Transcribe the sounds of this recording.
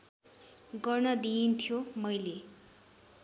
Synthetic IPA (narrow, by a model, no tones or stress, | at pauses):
ɡʌrnʌd̪iint̪ʰjomʌjle